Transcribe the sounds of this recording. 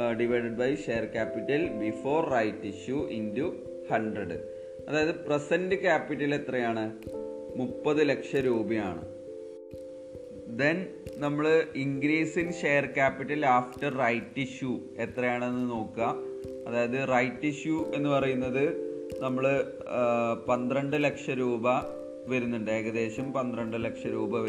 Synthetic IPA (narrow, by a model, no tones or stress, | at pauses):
ɖiʋɐjɖeɖbɐjʂejɐrkaːpitːɐlbifo̞ːrːɐjtːiɕjuindu | hɐɳɖrɐɖɨ | ɐðaːjɐðɨpresɐndɨkʲaːpːiʈːɐle̞t̪rɐjaːɳɨ | mupːɐðɨle̞kʂɐɾuːbɐja̰ːɳɨ̰ | d̪ennɐmːɐɭɨiŋɡɾiːsinɕeːjɐrkaːpːiʈːɐlaːfʈɐrrɐjtːiɕjue̞t̪rɐjaːɳe̞nːɨno̞ːkːɨɐː | ðaːjɐðɨrɐjtːiɕjuʔe̞nːɨpɐrɐjunːɐðɨnɐmːɐɭɨ | pɐnd̪rɐɳɖɨlɐkʂɐɾuːbɐ | ʋɐɾunːuɳɖɨeːɣɐðe̞ːɕɐmpɐnd̪rɐɳɖɨlɐkʂɐɾuːbɐʋɐ